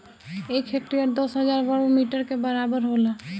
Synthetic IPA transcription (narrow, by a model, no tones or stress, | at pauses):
ekʰek̚ʈɾijəɾd̪osɦəd͡ʒaːɾbəɽomiʈəɾkebəɾaːbəɾɦola